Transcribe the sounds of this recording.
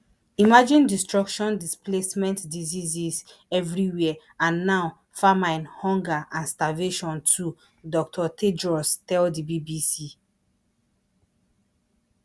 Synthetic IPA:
imad͡ʒĩndistɹɔkʃɔ̃ndisplesmɛ̃ntdizizis | ɛvɹiwɛ | ãnːaʊ | famãɪnhɔ̃ŋɡaʔãnstaveʃɔ̃ntʰu | dɔk̚tʰɔtʰedɹɔstɛldibibisi

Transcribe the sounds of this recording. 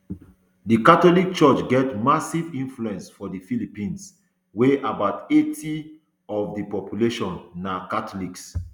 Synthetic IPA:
dikatɔlik̚t͡ʃɔt͡ʃɡɛtmasivĩnfluɛ̃nsfɔdifilipĩns | weʔabaʊtetʰi | ɔfdipɔpjuleʃɔ̃nːakatɔliks

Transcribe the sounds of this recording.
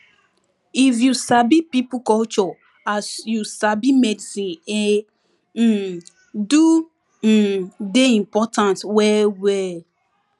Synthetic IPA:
ifjusabipipʊkɔlt͡ʃɔ | asjusabimedisĩne | du | deĩmpɔtãntwɛwɛ

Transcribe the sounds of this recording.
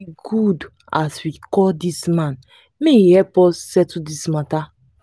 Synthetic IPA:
iɡud | aswikɔldismãn | meihɛpɔsːɛtudismata

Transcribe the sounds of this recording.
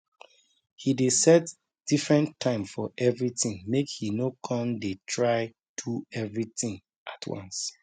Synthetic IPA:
hidesɛt | d̥ifɹɛ̃ntʰːãɪ̃mfɔʔɛvɹitĩŋmekhinokʰɔ̃ndetʰɹaɪ | tʰuɛvɹitĩŋ | ʔatʰwʌ̰̃ns

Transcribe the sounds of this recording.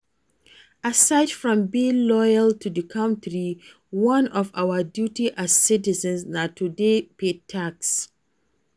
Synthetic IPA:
asaɪdfɹɔ̃mbilɔjalˠtʰuðəkʰãʊ̃ntʰɹi | wʌ̃nɔvawədjutiʔaz̥sitizə̃nsnatʰudepetʰaks

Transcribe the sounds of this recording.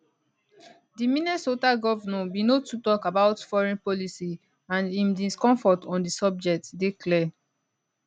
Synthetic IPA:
dimĩnɛsotaɡɔvnɛ̃binotutɔkabaʊtfɔɹɛ̃npɔlisi | ãnĩmdĩskɔ̃ɱfɔtɔ̃ndisɔb̚d͡ʒɛk̚tdeklɛ

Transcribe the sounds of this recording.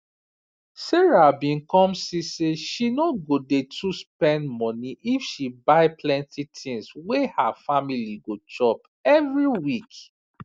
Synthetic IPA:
seɹabĩnkɔ̃msiseʃinoɡodetʰuspɛ̃ndmɔniʔifʃibaɪplɛ̃ntitʰĩŋswehafamiliɡot͡ʃɔp | ɛvɹiwik

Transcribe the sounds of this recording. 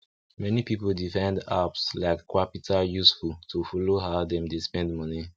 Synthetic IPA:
mɛnipipoldifãɪ̃nda̰pslaɪkʰːwapitʰajusfultʰufɔloɦaʊdɛ̃mdespɛ̃ndmɔni

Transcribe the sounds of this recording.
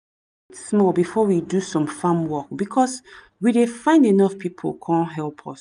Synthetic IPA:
tsmɔlbifɔwidusɔ̃mfãmwɔk̚bikʰɔs | widefãɪ̃ndenɔfpʰipʰo̰lkʰɔ̃nɦɛlˠpʰɔ̰s

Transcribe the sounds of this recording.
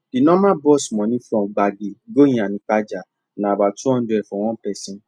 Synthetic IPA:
d̥inɔ̃mãbɔsmɔ̃nĩfɾɔ̃ɡ͡baɡeɡojĩanĩk͡pad͡ʒa | nãbatũɔ̃duɛfɔ̃w̃ɔ̃pɛsĩ

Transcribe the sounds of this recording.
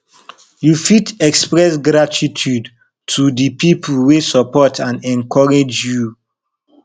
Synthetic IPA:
jufitɛkspɹɛsɡɾatʰitʰud | tʰudəpipʰlwesɔpɔtʰãnɛ̃nkʰɔɹed͡ʒju

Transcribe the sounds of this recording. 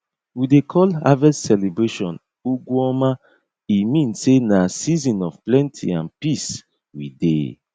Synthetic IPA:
widekʰɔla̰vɛssɛlebɹeʃɔ̃n | uɡuɔma | imĩnsenasizĩnɔfplɛ̃ntʰḭãnpis | wḭdḛ

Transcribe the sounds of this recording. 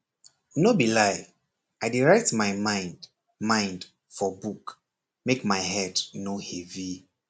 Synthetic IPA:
nobilaɪ | aɪdiɹɛk̚tmaɪmãɪ̃nd | mãɪ̃nd | fɔbuk | mekmaɪɦɛdnohɛvi

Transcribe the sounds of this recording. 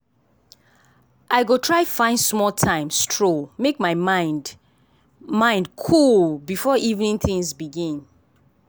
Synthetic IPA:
ʔaɪɡotʰɹaɪfãɪ̃ndsmɔltʰãɪ̃mstʰɹomekmaɪmã | mãɪ̃ndkʰulbifɔʔivnĩŋθĩŋzbiɡĩn

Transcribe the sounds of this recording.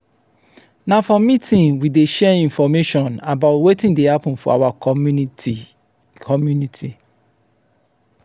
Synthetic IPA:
nãfɔ̃mːĩtʰĩnwideʃɛĩnfɔmeʃɔ̃nabaʊtwetĩndehapʊ̃n̩fɔ̰a̰wa | kʰɔmjunitʰi

